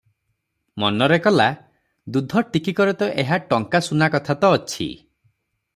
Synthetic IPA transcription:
mɔnɔɾekɔla | d̪ud̪ʱɔʈikikɔɾɔt̪ɔʔeɦaʈɔŋkasunakɔt̪ʰat̪ɔːt͡ʃʰḭ

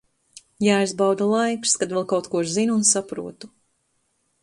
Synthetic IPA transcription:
jaːjzbawd̪alˠajkskad̪vɛlˠkawt̪kuɔɾzinunsapɾuɔt̪u

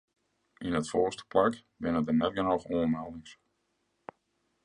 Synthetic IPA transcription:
ʔinətfoːstə̥plak | bɪnədənɛt̚ɡənowxoəmɛlˠdɪŋs

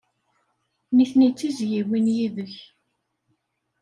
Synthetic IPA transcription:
niθnit͡sːizjiwinjiðəç

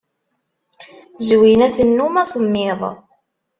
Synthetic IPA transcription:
zwinæθənːumɑsˤəmːɪðˤ

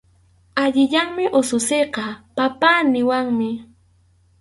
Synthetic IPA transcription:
aʎɪʎaŋmɪʔʊsʊsejqɑpapaːnɪwaŋmɪ

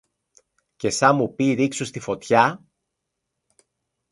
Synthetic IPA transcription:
ce̞sɐmupiɾiksust̪ifo̞t̪çɐ

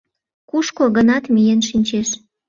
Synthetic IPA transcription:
kuʃkoɣənɑt̪mijenʃinʲt͡ɕeʃ

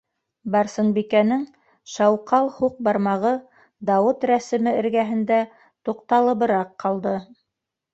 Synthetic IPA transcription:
bɑɾsɤnbikænɘŋ | ʃɑwqɑlˠhuq̚bɑɾmɑʁɤ | d̪ɑwɤt̪ɾæsɘ̆mɘɘ̆ɾɡæɦɘ̆nd̪æ | t̪uqt̪ɑlˠɤ̆βɤ̆ɾɑqːɑlˠd̪ɤ

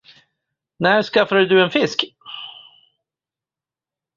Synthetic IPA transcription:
næʂkafad̪d̪ɵɛnfɪsk

